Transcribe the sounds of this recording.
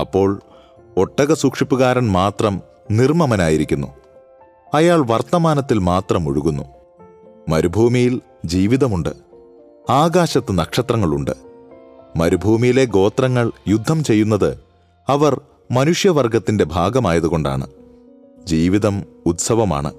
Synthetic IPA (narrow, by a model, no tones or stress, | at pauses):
ɐpːo̞ːɭ | oʈːɐɣɐsuːkʂipːuɣaːɾɐnmaːt̪rɐm | nirmɐmɐnaːjiɾikʲːunːṵ | ɐjaːɭʋɐrt̪ɐmaːnɐt̪ːilmaːt̪rɐmuɻuɣunːu | mɐɾubʱuːmijil | d͡ʑiːʋiðɐmuɳɖɨ | aːɡaːɕɐt̪ːɨnɐkʂɐt̪rɐŋːɐɭuɳɖɨ | mɐɾubʱuːmijile̞ɡo̞ːt̪rɐŋːɐɭjud̪ʱːɐmt͡ɕe̞jːunːɐðɨ | ɐʋɐr | mɐnuʂjɐʋɐrɡɐt̪ːinde̞bʱaːɡɐmaːjɐðuɣo̞ɳɖa̰ːɳɨ̰ | d͡ʑiːʋiðɐm | ut̪sɐʋɐma̰ːɳɨ̰